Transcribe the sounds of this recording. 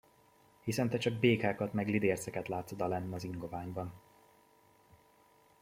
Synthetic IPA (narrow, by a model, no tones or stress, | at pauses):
hisɛnt̪ɛt͡ʃɒɡ̚beːkaːkɒt̪mɛɡlid̪eːrsɛkɛt̪laːt̪sod̪ɒlɛnːɒziŋɡo̞vaːɲbɒn